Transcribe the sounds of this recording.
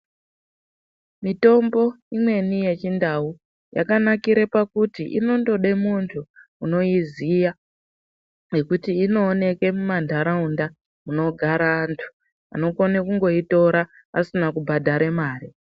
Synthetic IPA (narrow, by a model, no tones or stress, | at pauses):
mito̞mbo̞ | imwe̞nije̞t͡ʃindau | ja̰kanakiɾepakutiʔḭno̞ndo̞ɗe̞muntʰuːno̞izija | ŋe̞kutiːno̞ːne̞ke̞mumandʱaɾaunda | muno̞ɡʱaɾaːntʰu̥ | a̰no̞konekuŋɡo̞ito̞ɾaː | sinakubʱadʱaɾe̞maːɾi